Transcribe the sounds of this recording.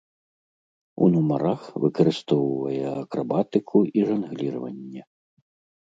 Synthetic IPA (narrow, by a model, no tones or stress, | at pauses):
ṵnumɐɾaxvɨkɐɾɨst̪ɔwvɐjɛɐkɾabat̪ɨkʰuiʐɐnɣlʲirɐvɐnʲːɛ